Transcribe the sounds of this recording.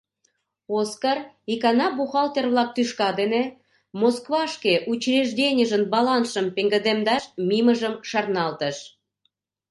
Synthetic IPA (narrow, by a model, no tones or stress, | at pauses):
oskər | ikɑnɑbuxɑlt̪ʲerβlɑk̚t̪yʃkɑd̪ene | moskβɑʃkeʔut͡ɕreʒdʲenʲəʒənbɑlɑnʃəmpeŋɡə̆d̪emd̪ɑʃmiməʒəmʃɑrnɑlt̪əʃ